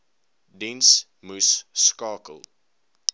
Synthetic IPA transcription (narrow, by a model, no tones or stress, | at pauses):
dɛ̃ns | musːkɑːkə̰lˠ